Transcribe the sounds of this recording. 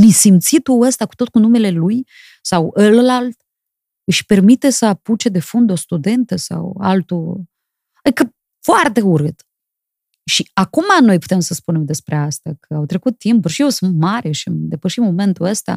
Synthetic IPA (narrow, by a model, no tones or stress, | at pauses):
nisimt̪sit̪uəst̪akut̪o̞t̪̚kunume̞le̞luj | sawəllalt̪ | ɨʃpe̞rmit̪e̞səaput͡ʃe̞d̪e̞fund̪o̞st̪ud̪e̞nt̪əsa̰walt̪u | ad̪ikə | foart̪e̞uɾɨt̪ | ʃiakumano̞jpu̥t̪e̞msəspune̞md̪e̞spɾe̞ast̪akʰəawt̪ɾe̞kut̪ːimpulʃijewsɨnt̪maɾeʃimd̪e̞pəʃit̪mo̞me̞nt̪uəst̪a̰